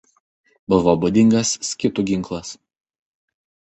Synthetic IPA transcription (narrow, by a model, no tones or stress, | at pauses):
bʊʋoːbʊd̪ʲɪŋɡɐsːkʲɪt̪uɡʲɪŋˑklˠɐs